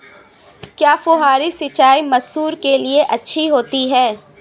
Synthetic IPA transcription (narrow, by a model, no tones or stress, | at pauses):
kjaːfʊɦaːɾisɪt͡ʃaːimɐsuːɾkelieʔɐtːʃʰiɦoːt̪iɦɛː